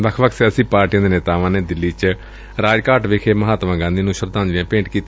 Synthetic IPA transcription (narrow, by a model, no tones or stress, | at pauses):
ʋəkʰʋəkʰsjaːsiːpaːɾʈijãːd̪eːneːt̪aːʋãːneːd̪ɪlːiːt͡ʃ | ɾaːd͡ʒkaːɾʈʋɪkʰeːməɦaːt̪ʋãːɡãːnd̪inũːʃəɾd̪ãːnd̪iãːpẽːɳʈkiːt̪ː